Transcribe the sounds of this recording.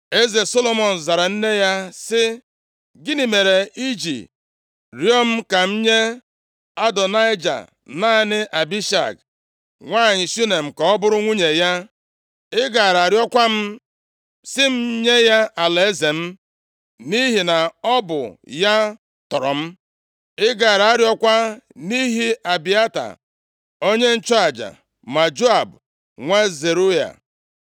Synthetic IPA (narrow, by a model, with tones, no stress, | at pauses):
e˦ze˨so˦lo˨mɔ˨n̩˨za˨ɾa˨n̩˦ne˦ja˦sɪ˦ | ɡɪ˦ni˨me˨ɾe˨i˦d͡ʒḭ˨ | ɾjɔ˦m̩˦ka˨m̩˦ɲe˦ | a˦dɔ˨na˦ɪ˦d͡ʒa̰˨ | na˦nɪ˦ʔa˨bi˦ʃa̰˨k̚ | ŋʷaː˦˨ɲɪ˨su˦ne˨m̩˨kɔ˨ɔ˦bʊ˦ɾʊ˦ŋʷu˦ɲe˨ja˦ | ɪ˦ɡa˨ɾa˨ɾjɔ˦kʷa˦m̩˦ | sɪ˦m̩˦ɲe˦ja˦a˨le˨˦ze˨m̩˦ | ni˦ɦi˨na˨ɔ˦bʊ̰˨ja˦ | tɔ˨ɾɔ˨m̩˦ | ɪ˦ɡa˨ɾa˨a˦ɾjɔ˦kʷa˦ni˦ɦi˦a˨bi˨a˦ta̰˨ | o˦ɲe˦n̩˦t͡ʃɔ˦a˨d͡ʒa̰˨ | ma˨d͡ʒo˦a˨b | ŋʷe˦ze˨ɾu˦ja̰˨